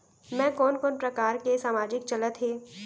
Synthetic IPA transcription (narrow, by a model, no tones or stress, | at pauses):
mɛ̃ːkɔːnkɔːnpɾɐkaːɾkesaːmaːd͡ʒɪkt͡ʃɐlət̪ɦeː